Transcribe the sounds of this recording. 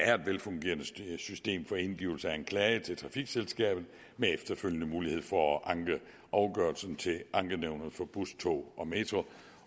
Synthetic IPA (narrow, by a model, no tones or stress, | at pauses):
æɐe̝d̥ʋelfɔ̽ŋɡ̥e̝̰ːɐnəsysd̥e̝̰ːmfɒ̽e̝nɡ̥ḭːʊl̩sɐæænkʰlɛːət͡sʰe̝lt͡sʰʁɑ̈fiɡ̥selsɡ̥ɛ̰ːb̥ð̩ˠ | meefd̥ɐføljənəmuːlihe̝ð̞̰ˠfɒ̽ʔɑ̈ŋɡ̥ə | ʔɑ̈ʊɡ̥ɶɐlsn̩t͡sʰe̝ʔɑ̈ŋɡ̥əneʊnɐð̩ˠfɒ̽b̥ust͡sʰo̰ːʔɒ̽me̝ːt͡sʰʁo